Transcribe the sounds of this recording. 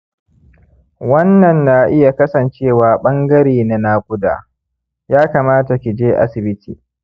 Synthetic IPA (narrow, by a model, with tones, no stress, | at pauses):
wɐ˦nːɐ˨nːa˨ʔɪ˦ja˨kɐ˦sɐ˨nt͡ʃeː˦˨waː˨ɓɐ˦ŋɡɐ˦ɾeː˨na˨naː˦kʷʊ˦da̰ː˨ | jaː˦kaː˨maː˦ta˨kʲi˨d͡ʒeː˦ʔa̰˦sɪ˨bɪ˦tʰḭː˨